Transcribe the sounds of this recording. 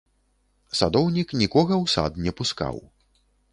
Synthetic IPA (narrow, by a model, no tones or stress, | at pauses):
sad̪ɔwnʲiknʲikɔɣɐwsa̰d̪nʲɛpuska̰w